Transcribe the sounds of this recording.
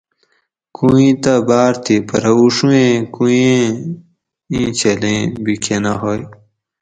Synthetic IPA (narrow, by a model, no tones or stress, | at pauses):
kũĩt̪ɐbaːɾt̪ʰipɐɾɐuʂuẽkujẽ | ĩt͡ɕʰelẽbikʰenaɦoːj